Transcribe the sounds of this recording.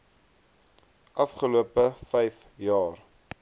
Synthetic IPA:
ʔɐfχəluəpəfɛjf | jɑːr

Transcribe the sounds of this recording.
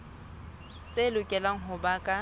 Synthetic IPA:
t͡sʼelʊkʼɛlaŋ̩ɦʊbakʼa

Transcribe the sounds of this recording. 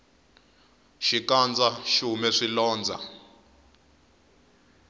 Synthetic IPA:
ʃikand͡zaʃumɛʂilɔːnd͡zʱa̰

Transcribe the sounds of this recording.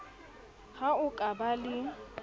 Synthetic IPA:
ɣaʊkʼabalɪ

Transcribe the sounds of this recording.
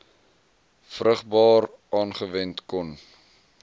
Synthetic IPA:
frəχbɑːr | ʔɑːnχəvɛntkɔn

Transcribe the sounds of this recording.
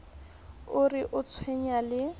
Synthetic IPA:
ʊrɪʔʊt͡sʰweɲalɪ

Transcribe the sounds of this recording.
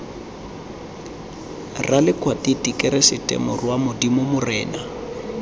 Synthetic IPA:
ralɪkʼwatʼitʼikʼɛɾɛsɪtʼɛ̰mʊrwamʊdimʊmʊrɛːna

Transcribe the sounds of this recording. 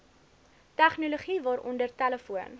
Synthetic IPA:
tæχnuluχivɑːɾʔɔ̰ndərtæləfuən

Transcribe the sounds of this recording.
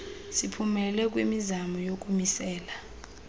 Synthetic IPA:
sipʰumɛlɛk̬wimizamɔjok̬ʼumisɛːla

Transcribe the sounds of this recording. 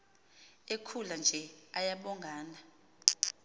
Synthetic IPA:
ekʰuland͡ʒʱɛajaɓɔŋɡʱaːna

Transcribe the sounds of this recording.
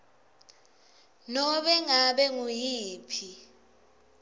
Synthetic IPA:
nɔɓɛŋaɓɛŋujiːpʰi

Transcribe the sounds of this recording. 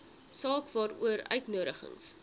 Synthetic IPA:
sɑːkvɑːɾṵəɾœ̰ɥtnuəɾəχə̰ŋs

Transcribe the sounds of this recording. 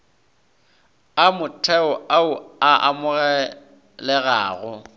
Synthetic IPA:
amʊtʰɛʊaʊaʔa̰mʊɣɛ | lɛɣa̰ːɣʊ

